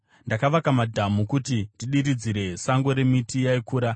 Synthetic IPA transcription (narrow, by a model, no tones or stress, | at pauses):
ndakaʋakamadʱamukutindiɗiɾid͡ziɾe̞saŋɡo̞ɾe̞mitijaikuːɾa